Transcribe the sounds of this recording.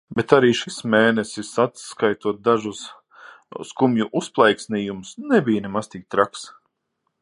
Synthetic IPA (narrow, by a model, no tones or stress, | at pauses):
bet̪aɾiːʃismeːnɛsisat̪skajt̪uɔt̪̚d̪aʒus | skumjuʔusplˠɛjksnijumʊsnɛbijnemast̪iːk̚t̪ɾaks